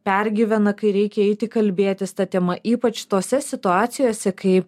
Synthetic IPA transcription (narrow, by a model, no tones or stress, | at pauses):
pʲɛɾʲɡʲɪʋʲɛnɐkɐɪɾʲɛɪkʲɛɛɪt̪ʲɪkɐlʲbʲeːt̪ʲɪst̪ɐt̪ʲɛmɐʔiːpɐt͡ʃt̪oːsʲɛsʲɪt̪ʊɑːt̪sʲɪjoːsʲɛkɐɪ